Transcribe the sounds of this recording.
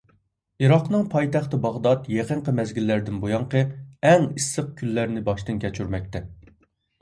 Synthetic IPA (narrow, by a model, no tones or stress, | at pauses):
iɾɑqnɨŋpʰɑjt̪æχt̪ɨbɑʁd̪ɑt̪jeqəɴqəmɛzɡʲilːæɾd̪ɪnbojɑɴqəɛŋisːəq̚kʲʰylːæɾnɪbɑʃt̪ɨnkʲɛt͡ʃʰyɾmɛk̚ʲt̪ɛ